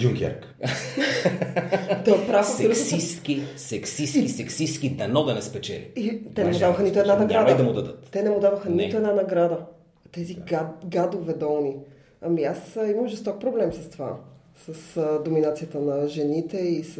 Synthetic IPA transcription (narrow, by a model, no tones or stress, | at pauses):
uŋkʲɛ̰ɾk | t̪ɔpɾafsɾsiskisɛksisisɛksist̪kid̪ɐnɔd̪ɐnɛspɛt͡ʃɛ̰lʲḭit̪ɛnɛmmʊd̪avəxənit̪oɛd̪anɐɡɾad̪id̪ɐmʊd̪ɐd̪ət̪t̪ɛnɛmʊd̪avəxənit̪oɛd̪nanɐɡɾad̪ə | t̪ɛziɡad̪ovɛd̪ɔlˠni | ɐmiasiməmʒɛst̪ɔk̚pɾoblɛmsɐst̪ova̰ | səsd̪ominat̪sijət̪ənɐʒɛnit̪ɛis